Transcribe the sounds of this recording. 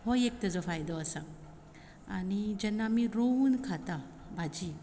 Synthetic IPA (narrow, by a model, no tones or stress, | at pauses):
hɔjek̚tɐzɔpʰajdɔɐsaŋ | a̰nid͡ʒɐnːamiɾowunkʰata | bad͡ʒi